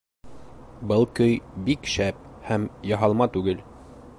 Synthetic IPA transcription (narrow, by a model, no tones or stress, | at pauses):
bɤlˠkɵjbikʃæp̚hæmjɑɦɑlˠmɑt̪ʉɡɘl